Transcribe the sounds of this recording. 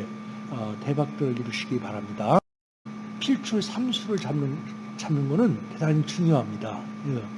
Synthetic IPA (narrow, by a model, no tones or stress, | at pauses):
ʌte̞bak̚t͈ʌiɾɯɭɕʰiɡipaɾamɲida | pʰiɭt͡ɕʰuɭsʰamsʰuɾɯɭamɯnt͡ɕamːɯnɡʌnɯnte̞daɲit͡ɕuŋjoɦamɲidae